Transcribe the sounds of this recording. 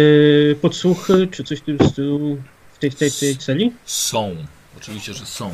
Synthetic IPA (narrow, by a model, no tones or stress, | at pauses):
pɔt̪suxɘt͡ʂɘt̪sɔɕt̪ɘmst̪ɘluu | ft̪ɛjft̪ɛjft̪ɛjt̪sɛlʲisɔ̃w̃ | ɔt͡ʂɨviɕt͡ɕɛʐɛsɔ̃w̃